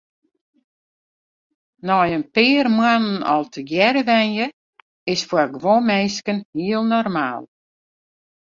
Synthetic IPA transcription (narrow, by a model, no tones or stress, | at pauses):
nɔjənpɪːrmwanənɔ̰lˠtʰəɡjɛɾəʋɛnjə | ɪsfwarɡʋomɛjskənhiəlˠnɔrmaːlˠ